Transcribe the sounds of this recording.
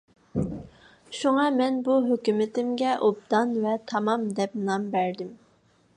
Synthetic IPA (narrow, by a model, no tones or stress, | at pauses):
ʃuŋɑmɛnbuɦøkʲymɪt̪ɪmɡʲɛʔop̚d̪ɑnvɛt̪ʰɑmɑmd̪ɛp̚mnɑmbæɾd̪ɪm